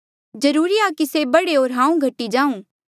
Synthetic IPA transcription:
d͡ʒɐɾuːɾiakisebɐɽeoːɾɦãːũɡʱɐʈːid͡ʒãːũː

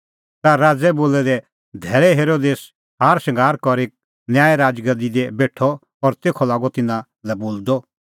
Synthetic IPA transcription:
t̪aɾaːd͡zɛboːlɛd̪ɛ | d̪ʱɛːɭɛɦeːɾoːd̪eːs | ɦaːɾsɐ̃ŋɡʱaːɾkɔɾeːk̚ | njaːɛɾaːd͡ʒɡəd̪id̪ɛbeːʈʰːɔ | ɔɾt̪eːkʰɔlaːɡɔt̪ɪnã | lɛboːld̪ɔ

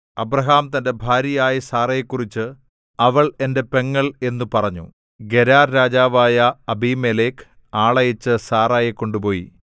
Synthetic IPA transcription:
ɐbrɐɦaːmt̪ɐnde̞bʱaːɾijaːjisaːrɐekːurit͡ɕːɨ | ɐʋɐɭe̞nde̞pe̞ŋːɐɭe̞nːupɐrɐɲːṵ | ɡe̞ɾaːrɾaːd͡ʑaːʋaːjɐɐbimeleːk | aːɭɐjɐt͡ɕːɨsaːraːjikːo̞ɳɖupo̞ːjḭ

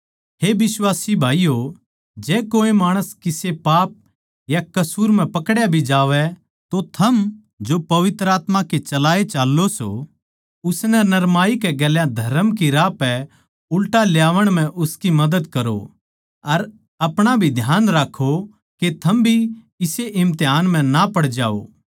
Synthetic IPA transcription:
ɦebɪswaːsibʱaːijo | d͡ʒɛːkoːemaːɽ̃əskɪsepaːp̚ | jakɐsuːɾm̤ɛ̃pɐkɽjabʱid͡ʒaːʋɛ | t̪ot̪ʰɐm | d͡ʒopɐʋɪt̪ɾəaːt̪mãket͡ʃɐlaːet͡ʃaːlːoso̰ | ʊsnɛnɐɾmaːikɛɡɛːljãd̪ʱɐɾəmkiɾaːpɛ | ʊlʈaljaːʋəɽ̃m̤ɛ̃ʔʊskimɐd̪əd̪kɐɾo̰ | ɐɾ | ɐpɽ̃abʱid̪ʱjaːnɾaːkʰːo | ket̪ʰɐmbʱi | ɪseʔɪ̃mt̪ejaːnmɛ̃napɐɽd͡ʒa̰ːo̰ː

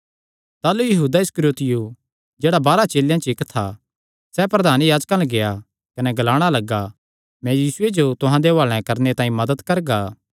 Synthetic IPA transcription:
t̪aːlujɐɦuːd̪aɪskɾjoːt̪ɪju | d͡ʒeːɽabaːɾat͡ʃeːljãt͡ʃɪkt̪ʰːa̰ | sɛpɾɐd̪ʱaːnjaːd͡ʒkãlɐɡeja | kɐnɛɡɐlaːɽ̃alɐɡa | mɛ̃jiːsʊed͡ʒot̪ʊɦãd̪eoaːɭɛ̃kɐɾnet̪ãːĩmɐd̪əd̪kɐɾɡaː

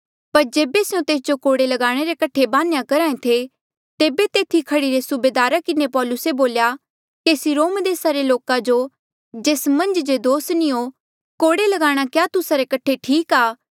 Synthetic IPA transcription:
pɐɾd͡ʒeːbeseũt̪eːs̬d͡ʒokoːɽelɐɡaːɽ̃eɾekɐʈʰːebaːnjãkɐɾaːẽt̪ʰe | t̪eːbet̪eːt̪ʰikʰɐɽiɾesʊbeːd̪aːɾakɪnepɔːlʊseboːlja | keːsiɾoːmd̪eːsaɾeloːkad͡ʒo | d͡ʒeːsmɐ̃nd͡ʒd͡ʒed̪oːsnĩo | koːɽelɐɡaːɽ̃akjaːt̪ʊsaɾekɐʈʰeʈʰiːkaː

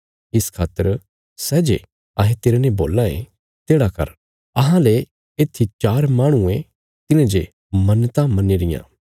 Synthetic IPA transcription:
ɪskʰaːt̪ːəɾ | sɛːd͡ʒḛ | aɦẽt̪eːɾenẽboːlãḛ̃ | t̪eːɽakɐ̰ɾ | ɐɦãle | eːt̪ʰit͡ʃaːɾmaːɽ̃uẽ | t̪ɪnãd͡ʒe | mɐnt̪amɐneːɾɪjã̰ː

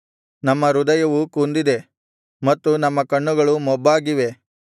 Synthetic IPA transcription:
nɐmːɐɾud̪ɐjɐʋukund̪id̪e̞ | mɐt̪ːunɐmːɐkɐɳːuɡɐɭumɔbːaːɡiʋe̞

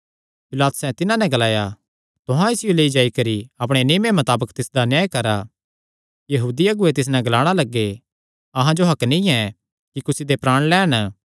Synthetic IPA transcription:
pɪlaːt̪ʊ̥sɛ̃t̪ɪnãnɛ̃ɡɐlaːja | t̪ʊɦãɪsɪjoleːid͡ʒaːikɐɾiɐpɽ̃enɪːmemɐt̪aːbəkt̪ɪsd̪anjaːjkɐɾa | jɐɦuːd̪iɐɡʊet̪ɪs̬nɛ̃ɡɐlaːɽ̃alɐɡːe | ɐɦãd͡ʒoɦɐknĩɛ̃ | kikʊsid̪epɾaːɽ̃lɛːɽ̃

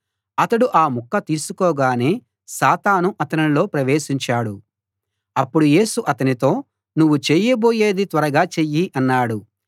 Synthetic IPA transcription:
ɐt̪ɐɽuʔaːmukːɐt̪iːsukɔːɡaːne̞ː | saːt̪aːnuʔɐt̪ɐnilo̞ːpɾɐʋe̞ːʃiɲt͡ʃaːɽu | ɐpːuɽuje̞ːsuʔɐt̪ɐnit̪o̞ː | nuʋːut͡ʃeːjɐbo̞ːje̞ːd̪it̪ʋɐɾɐɡaːt͡ʃeːjːiʔɐnːaːɽu

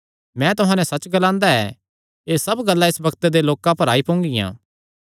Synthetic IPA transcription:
mɛ̃ːt̪ʊɦãːnɛ̃sɐt͡ʃɡɐlãːnd̪aɛ̰ː | eːsɐbɡɐlːaɪsbɐkt̪ed̪eloːkãpɐɾaːipõːŋɡijã̰ː

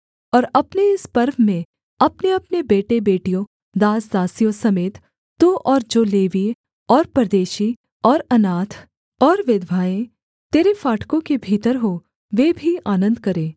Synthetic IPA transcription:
ɔːɾɐpneɪspɐɾʋmẽ | ɐpneɐpnebeːʈebeːʈijõ | d̪aːsd̪aːsijõsɐmeːt̪ː | ũʔɔːɾd͡ʒoːleːʋi | ɔːɾpɾd̪eːʃi | ɔːɾɐnaːt̪ʰ | ɔːɾʋɪd̪ʱʋaːẽ | t̪eːɾefaːʈkõkebʱiːt̪əɾɦo | ʋeːbʱiaːnə̃nd̪kɐɾẽː

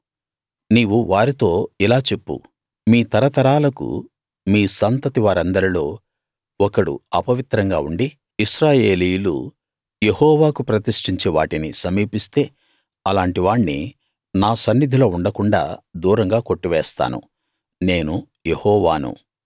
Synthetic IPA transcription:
niːʋuʋaːɾit̪o̞ːilaːt͡ʃe̞pːṵ | miːt̪ɐɾɐt̪ɐɾaːlɐkṵ | miːsɐnt̪ɐt̪iʋaːɾɐnd̪ɐɾilo̞ː | ɔkɐɽṵɐpɐʋit̪ɾɐŋɡa̰ːuɳɖi | iʃɾaːje̞ːlijulṵ | je̞hɔːʋaːkupɾɐt̪iʂʈiɲt͡ʃeːʋa̰ːʈinisɐmiːpist̪e̞ː | ɐlaːɳʈiʋaːɳːḭ | naːsɐnːid̪ʱilo̞ːuɳɖɐkuɳɖa̰ːd̪uːɾɐŋɡaːko̞ʈːiʋɛːst̪a̰ːnṵ | ne̞ːnu | jehɔːʋaːnṵ

